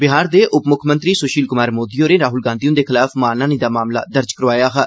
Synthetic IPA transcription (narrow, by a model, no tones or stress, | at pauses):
bɪɦaːɾd̪eːʔʊpmʊkʰmənt̪ɾiːsoːʃiːlkʊmaːɾmoːd̪iːoːɾeːɾaːɦʊlɡãːnd̪ijũːd̪eːkʰɪlaːfmaːnãːniːd̪aːmaːmla̰ːd̪əɾd͡ʒkəɾʋaːjaːɦaː